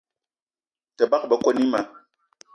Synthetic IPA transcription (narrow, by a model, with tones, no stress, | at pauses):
tɛ˨ba˦k̚bə˦ko˦ni˦ma˨˦